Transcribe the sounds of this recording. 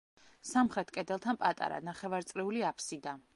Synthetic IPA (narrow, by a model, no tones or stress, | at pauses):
samχɾɛt̪ʰkʼɛd̪ɛlˠt̪ʰanpʼat̪ʼa̰ɾa̰naχɛvaɾt̪sʼɾɛuliapʰsid̪a